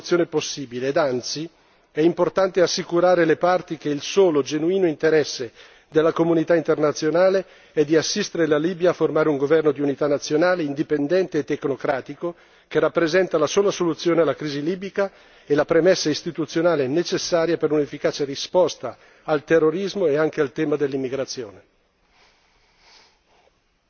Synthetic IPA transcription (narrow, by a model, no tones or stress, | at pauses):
t̪sːjoːneposːiːbileːd̪ant̪si | ɛimport̪ant̪easːikuɾaːɾelepart̪ikeilsoːlod͡ʒenuiːnoint̪eɾɛsːe | d̪elːakomunit̪aint̪ernat̪sːjonaːle | ɛd̪ːiasːist̪eɾelaliːbjaːfːormaːɾeuŋɡovɛrnod̪iunit̪anːat̪sːjonaːleind̪ipend̪ɛnt̪eːt̪ːeknokɾaːt̪iko | kerapːɾezɛnt̪alasoːlasolut̪sːjoːnealakɾiːziliːbika | elapɾemesːaist̪it̪ut̪sjonaːlenet͡ʃesːaːɾjapeɾunefːikaːt͡ʃerispɔst̪a | alt̪erːoɾizmoeaŋkealt̪ɛːmad̪elːimːiɡɾat̪sːjoːne